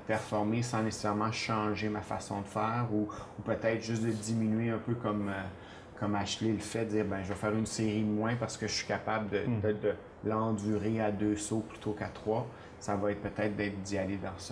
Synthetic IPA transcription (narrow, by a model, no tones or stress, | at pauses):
pɛʁfɔʁmesɑ̃nese̥sɛʁmɑ̃ʃɑ̃ʒemafa̰sɔ̰̃d̪əfɛːʁuupət̪ɛɪt̪χʒʏsd̪əd̪iminɥeɛ̃ːpøkɔmə | kɔmaʃleləfɛd̪əd͡ziːʁbɛ̃ʒəvɑfɛːʁynseʁimwɛ̃paʁsə̥kəʒəsɥi̥kapabld̪əd̪ɛd̪ə | lɑ̃d̪yːʁead̪øsoplyt̪ʰokat̪χwa | savaɛːt̪̚pət̪ɛːt̪̚d̪ɛːt̪χd̪ialed̪ɑ̃sɔ̥